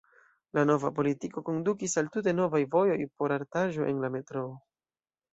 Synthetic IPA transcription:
lano̞vapo̞litiko̞ko̞ndukisaltute̞no̞vajvo̞jo̞jpo̞ɾaɾtaʒo̞ʔe̞̰nlame̞tɾo̞ː

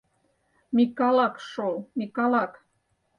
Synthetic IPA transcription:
mikɑlɑkʃolmikɑlɑk

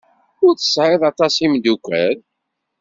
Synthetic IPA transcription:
ʊɾθə̥sʕɪðˤɑt̪ˤɑsimd̪ukʷːæɾ

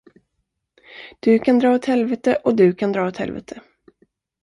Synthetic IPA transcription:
d̪̥ɵkʰand̪ɾɑːɔt̪hɛlvɛt̪əʔɔd̪ɵkʰand̪ɾɑːɔt̪hɛ̰lvɛ̰t̪ʰə

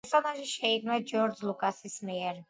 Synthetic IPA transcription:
ɾsɔnaʒiʃɛikʰnɛd͡ʒɔɾd͡ʒlˠukʼasismiɛɾ

